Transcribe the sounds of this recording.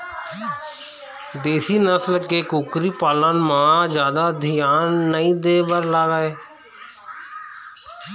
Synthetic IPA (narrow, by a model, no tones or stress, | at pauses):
d̪eːsiːnəsəlkeːkukɾiːpaːlaːnmãːd͡ʒjaːd̪aːd̪ʱɪjaːnːəĩːd̪eːbəɾlaːɡaːeː